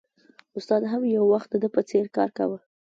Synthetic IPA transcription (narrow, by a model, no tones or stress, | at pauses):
ʊst̪ɑd̪ɦamjawːaxt̪̚d̪əd̪əpət͡seɾkɑ̰ɾka̰wə